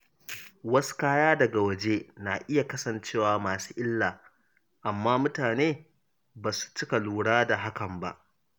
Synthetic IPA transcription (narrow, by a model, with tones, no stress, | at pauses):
wɐ˦su̥˦kaː˦jaː˦dɐ˨ɡa˨wɐ˦˨d͡ʒeː˦naː˨ʔɪ˦ja˨kɐ˦sɐ˨nt͡ʃeː˦˨waː˨maː˨su̥ː˦ʔɪ˦lːaː˨ | ʔa˨mːaː˦mʊ˦taː˨neː˦ | baː˨su̥˨t͡ʃɪ˦ka˨luː˨ɽaː˦da˨ɦa˦kɐ˨mba̰˦ʔ